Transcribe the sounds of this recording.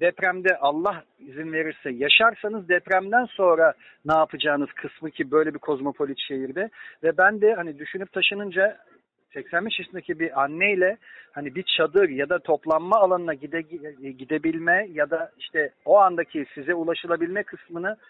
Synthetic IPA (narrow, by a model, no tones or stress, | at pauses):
d̪ɛpɾæmd̪ɛʔalˠːah | izinve̞ɾiɾsɛjaʃaɾsanɯzd̪ɛpɾæmd̪ænso̞nɾa | naːpʰɯd͡ʒaːnɯz̥kʰɯsmɯcʰibø̞jlʲɛbikʰo̞zmo̞pʰo̞lʲit̪ʃejiɾd̪ɛvɛbænd̪ɛhanid̪yʃynyp̚t̪ʰaʃɯnɯnd͡ʒa | sɛcsænbɛʃisynd̪ecʰibiʔanːɛjlʲɛhanibit͡ʃʰad̪ɯɾjad̪at̪ʰo̞plˠanmaːlˠanɯnaɟid̪ɟid̪e̞bilʲmɛjad̪aiʃt̪ʰɛo̞and̪acʰisizɛulˠaʃɯlˠabilʲmɛkʰɯsmɯnɯ